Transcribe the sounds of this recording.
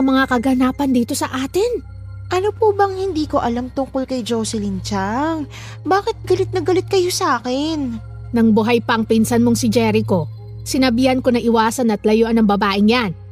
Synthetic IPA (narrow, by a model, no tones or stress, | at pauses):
ɐmɐŋakɐɡɐnaːpɐnd̪iːt̪o̞sɐʔaːt̪ɪn | ʔɐnopubɐŋhɪnd̪iːko̞ʔɐlamt̪ʊŋkolkɐjd͡ʒosɛlɪnt͡ʃaŋ | baːkɪt̪̚ɡɐlɪt̪̚nɐɡɐlɪt̪̚kɐjosɐaːkɛn | nɐŋbʊɦajpɐʔɐŋpinsɐnmo̞ŋsɪd͡ʒɛɾɪko̞ | sɪnɐbihɐnko̞nɐʔɪwaːsɐnɐt̪lɐjoʔɐnɐŋbɐbaːʔɪŋjan